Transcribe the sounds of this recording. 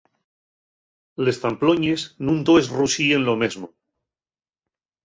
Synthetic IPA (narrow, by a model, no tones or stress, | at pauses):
le̞st̪amploɲesnũnd̪oesrusiẽ̞nlomezmo